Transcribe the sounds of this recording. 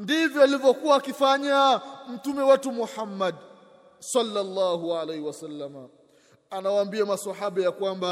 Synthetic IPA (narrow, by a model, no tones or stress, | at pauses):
ndivjɔalivjɔkuwaːkifaɲam̩tumɛwatumuħamːad | salːalːaɦualɛjhiwasalːama | anawaːmbiamasahaɓajakwamba